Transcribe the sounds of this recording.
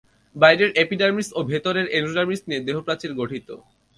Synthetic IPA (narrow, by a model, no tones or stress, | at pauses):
bajɖeɾʔepiɖaɾmisʈobʱet̪oɾeɾenuɖaɾmisʈnied̪eɦopɾat͡ɕeɾɡoʈʰit̪o̰